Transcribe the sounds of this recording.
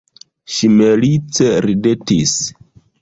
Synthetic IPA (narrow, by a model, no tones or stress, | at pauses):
ʃimelit͡seɾidetis